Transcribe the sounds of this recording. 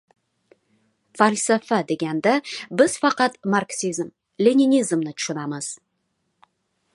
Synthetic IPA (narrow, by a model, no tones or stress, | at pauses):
falʲsafad̪e̞ɡʲand̪abɪz̥fɑqɑt̪marksizm | lʲenʲinʲizmnɪt̪ʰʊ̥ʃʊnaməz̥